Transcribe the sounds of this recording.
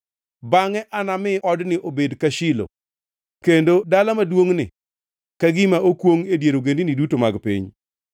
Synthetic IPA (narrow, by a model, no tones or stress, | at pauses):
baŋɛʔanamɪʔɔdnɪʔobedkaʃɪlo̰ | kendodalamadwoŋnɪ̰ | kaɡɪmaʔokwoŋedjeɾoɡendinɪdutomaɡpḭɲ